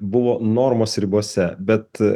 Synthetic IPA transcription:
bʊʋoːnoːɾmoːsɾʲɪbuɔsʲɛbʲɛt̪

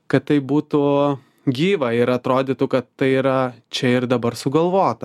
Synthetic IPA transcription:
kɐt̪t̪ːɐɪbuːt̪u | ɡʲiːʋɐɪɾɐt̪ɾoːd̪ʲɪt̪ʊkɐt̪t̪ɐɪiɾɐt͡ʃʲɛɪɾd̪ɐbɐɾsʊɡɐlˠʋoːt̪ɐ

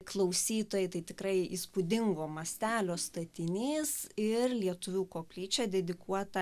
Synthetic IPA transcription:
klˠɐʊsʲiːt̪oːjɛɪt̪ɐɪt̪ʲɪkɾɐɪḭːspʊd̪ʲɪŋɡoːmɐsʲt̪ʲæːlʲoːst̪ɐt̪ʲɪnʲiːsɪrlʲiɛt̪ʊʋʲuːkoːpʲlʲiːt͡ʃʲɛd̪ʲɛd̪ʲɪkuɔt̪ɐ

